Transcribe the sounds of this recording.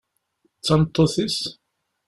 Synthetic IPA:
t͡sːɑnt̪ˤːoθis

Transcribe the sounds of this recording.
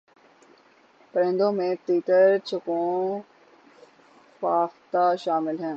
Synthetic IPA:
pɾẽːnd̪õːmẽt̪iːt̪əɾt͡ɕʰəkõː | faːxt̪aʃaːmɪlɦɛːn

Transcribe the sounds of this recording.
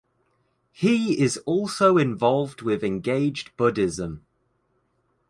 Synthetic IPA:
hiɪzɔˑlˠsoʊɪ̃ɱvɒlˠvdwɪðɛ̃nɡeɪd͡ʒb̥ʊdɪzə̃m

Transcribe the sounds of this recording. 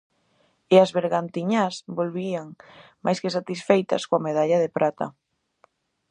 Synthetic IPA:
eazβeɾɣant̪iɲasbolβiaŋmajskɪsat̪isfejt̪ɐ̰skoameðaʎɐðɪpɾat̪ɐ̰

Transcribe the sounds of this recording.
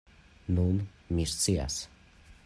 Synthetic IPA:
nun | miɾt͡sia̰s

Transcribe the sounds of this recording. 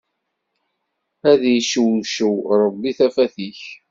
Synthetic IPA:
æðjʃəwʃəwɾˤəbːiθæfæθiç

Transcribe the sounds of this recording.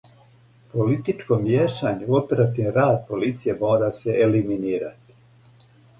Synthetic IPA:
po̞lit̪it͡ʃkomjeʃaɲuopeɾat̪inɾaːd̪̚po̞lit̪sije̞mo̞ːɾaseʔeliminiːɾa̰t̪i̥

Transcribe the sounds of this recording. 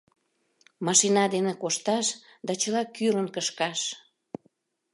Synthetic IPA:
mɑʃinɑd̪enekoʃt̪ɑʃ | d̪ɑt͡ɕəlɑkyɾənkəʃkɑʃ

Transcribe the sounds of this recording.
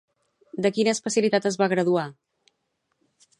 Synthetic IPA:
d̪əkinəːspəsjəlit̪at̪əzβaɣɾəðua

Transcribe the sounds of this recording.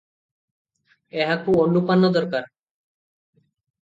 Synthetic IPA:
eɦakuonːupanːɔd̪ɔɾkaɾ

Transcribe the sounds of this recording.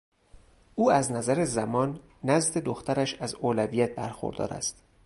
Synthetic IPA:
ʔuːæznæzæɾezæmɒːnː | æzd̪ed̪oxt̪ʰæɾæʃæzoːlævijæt̪̚ʰbæɾxo̰ɾd̪ɒ̰ːɾæ̰st̪

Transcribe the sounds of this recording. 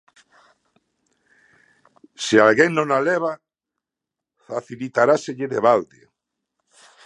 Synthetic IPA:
sealɣeŋnõŋaleβ̞a | faθilit̪aɾaseʎɪðeβald̪ḛ

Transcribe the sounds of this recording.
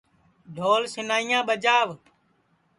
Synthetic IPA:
d̪ʱoːlsɪnaːijãːɓəd͡ʒaːʋ

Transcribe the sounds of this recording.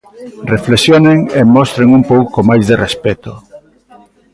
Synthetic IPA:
reflesjoneŋemɔst̪ɾeŋumpowkomajzðerespɛt̪o

